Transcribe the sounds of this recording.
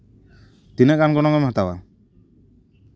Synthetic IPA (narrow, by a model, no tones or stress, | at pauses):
t̪inɛʔkanɡɔnɔŋɔmɦat̪awa